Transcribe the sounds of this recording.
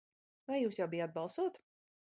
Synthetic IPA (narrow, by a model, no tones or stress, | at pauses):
vajjuːsjawbijad̪bɑlˠsuɔt̪